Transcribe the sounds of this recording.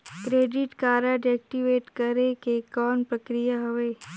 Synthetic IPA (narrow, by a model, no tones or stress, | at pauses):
kɾeːɖɪʈkaːɾaɖɛːk̚ʈiʋeːʈkəɾekekɔːnpɾɐkɾijaɦɐʋeː